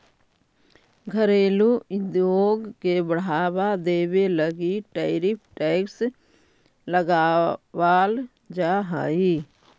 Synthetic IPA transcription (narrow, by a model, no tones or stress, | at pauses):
ɡʱəɾeːlud̪joːɡkebəɽ̤aːwad̪eːweləɡiʈeɪɾɪp̚ʰʈɛːks | ləɡaːwaːl | d͡ʒaːɦa̰ːi